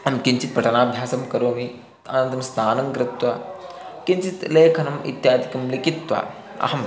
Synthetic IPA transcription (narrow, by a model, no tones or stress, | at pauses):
ɐmkiɲt͡ʃit̪̚pɐʈɐnaːbʱjaːsɐmkɐɾoːmi | ɐ̰nɐnt̪ɐmst̪ʰaːnɐŋɡɾɪt̪ʋɐ | kint͡ʃit̪leːkʰɐnɐmḭt̪jaːd̪ikɐmlikit̪ʋɐ̰ | ɐ̰ɦɐm